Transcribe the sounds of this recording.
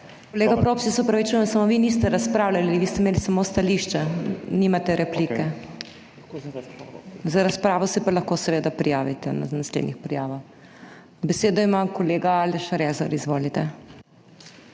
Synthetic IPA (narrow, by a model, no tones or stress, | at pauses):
koleːɡapɾoːpsisɔpɾɐʋit͡ʃujɛnsamoʋinist̪ɛɾaspɾaːwlʲaliʋist̪ɛmeːlisamost̪aliʃt͡ʃɛniːmat̪ɛɾʔɛplikɛ | zaɾaspɾaːʋɔsɛpalɐxkoːsɛʋeːd̪apɾijaːʋit̪ɛna̰naslḛd̪nixpɾijaːʋax | bɛseːd̪ɔimakoleːɡaalɛʃaɾɛza̰ɾizʋoːlit̪ɛ